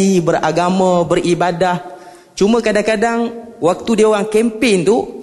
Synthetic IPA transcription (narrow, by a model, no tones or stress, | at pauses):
ibəɾaɡamãbərʔibadah | t͡ʃumə̃kadaŋkadaŋwak̚t̪udeowaŋkɛmpɪnt̪u